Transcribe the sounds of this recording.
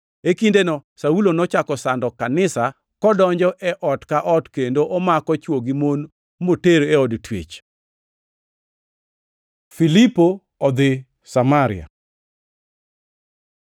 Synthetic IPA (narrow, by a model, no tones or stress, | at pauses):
ekindenɔsaulonɔt͡ʃakɔsandɔkanɪsa | kɔdɔɲd͡ʒɔʔɛʔɔtkaʔɔtkendoʔɔmakɔt͡ʃwoɡimon | moteɾoeɔdtwḛt͡ʃ | filipo | ɔd̪ɪ | samaɾɪ̰a̰